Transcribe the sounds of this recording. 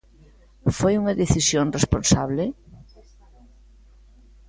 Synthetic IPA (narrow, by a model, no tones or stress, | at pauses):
fojuŋɐðeθisjonrespõnsaβle